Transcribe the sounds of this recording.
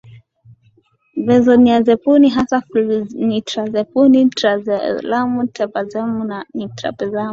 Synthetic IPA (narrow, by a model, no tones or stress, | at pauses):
vɛzɔniazɛpuniɦasaflnitɾazɛpunitɾazɛlamutʰɛpazɛmunanitɾa̰pɛzamu